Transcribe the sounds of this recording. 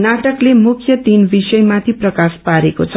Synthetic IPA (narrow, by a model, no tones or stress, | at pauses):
naʈʌklemukʰjʌt̪inbisʌjmat̪ʰiprʌkaspaɾekot͡sʰʌ